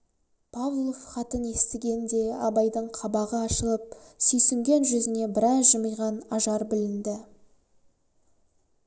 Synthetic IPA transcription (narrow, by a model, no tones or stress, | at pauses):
pʰavlˠəχɑt̪əne̞st̪ɪɡʲe̞nd̪e̞ɑbɑjd̪əɴqʰɑbɑʁəɑʃəlˠəp̚sɵjsɪŋɡʲe̞nʒʏzɪne̞bɪɾɑzʒəməjʁɑnɑʒɑɾbɪlɪnd̪ɪ